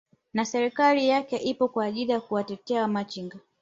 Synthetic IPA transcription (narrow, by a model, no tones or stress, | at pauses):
nasɛɾikalijakɛʔipɔkwaːʄilijakuwatɛtɛawamat͡ʃiŋɡa